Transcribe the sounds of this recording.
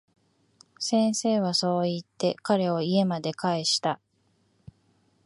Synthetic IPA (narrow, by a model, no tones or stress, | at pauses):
sẽ̞ɰ̃se̞ːβ̞aso̞ːit̪ːe̞kaɾe̞o̞ie̞mad̪e̞kaeɕi̥t̪a